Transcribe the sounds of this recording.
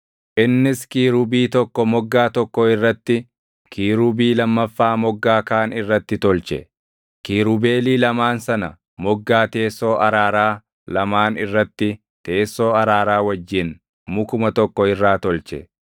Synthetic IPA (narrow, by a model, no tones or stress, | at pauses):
ʔɪnːɪskiːɾubiːt̪ɔkːɔmɔɡːaːt̪ɔkːɔɪrːɐt̪ːɪ | kʰiːɾubiːlɐmːɐfːaːmɔɡːaːkaːnɪrːɐt̪ːɪt̪ɔlt͡ʃɛ̰ | kiːɾʊbe̞ːliːlɐmaːnsɐnɐ | mɔɡːaːt̪e̞ːsːo̞ːʔɐɾaːɾaː | lɐmaːnɪrːɐt̪ːɪ | t̪e̞ːsːo̞ːɐɾaːɾaːwɐd͡ʒːɪn | mʊkʊmɐt̪ɔkːɔɪrːaːt̪ɔlt͡ʃɛ̰